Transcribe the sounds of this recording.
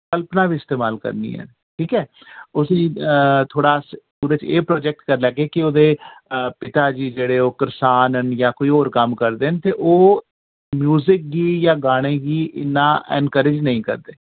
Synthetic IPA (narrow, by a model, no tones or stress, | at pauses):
kəlpnãːbiːɪst̪eːmaːlkə̰ɾnḭːɛ̰ː | ʈʰiːkɛː | ʊsĩːt̪ʰoːɽaːspuːɾeːt͡ʃeːpɾoːd͡ʒɛk̚ʈkəɾlɛːɡeːkɪoːd̪eːpɪt̪aːd͡ʒiːd͡ʒeːɽeːoːkəɾsaːnənjaːkoːiːoːɾkəmkəɾd̪eːnt̪eːʔoː | mjuːzɪk̚ɡiːjãːɡaːɽ̃ẽːɡiːʔɪ̰nːaːʔɛ̰nkəɾɪd͡ʒnəĩːkə̰ɾd̪eː